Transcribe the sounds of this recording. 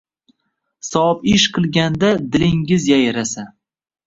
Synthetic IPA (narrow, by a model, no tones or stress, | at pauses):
sɒpɪʃqʰɨlˠɡʲand̪ad̪ɪlɪŋɪzjajɾasa